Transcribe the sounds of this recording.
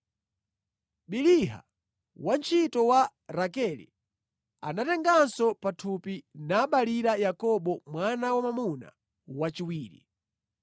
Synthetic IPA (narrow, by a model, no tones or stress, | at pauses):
ɓiliɦa̰ | want͡ʃʰitɔwa | ɾakɛlḭ | a̰natɛŋɡansɔpatʰupinaːɓaliɾajakɔɓɔmwanawamamuna̰ | wat͡ʃiwiːɾḭ